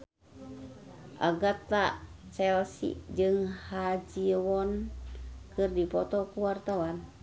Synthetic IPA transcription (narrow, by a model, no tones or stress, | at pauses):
ʔa̰ɡat̪at͡ʃɛlsḭd͡ʒɨŋhad͡ʒiwɔn | kɨrdipɔt̪ɔkuwart̪awan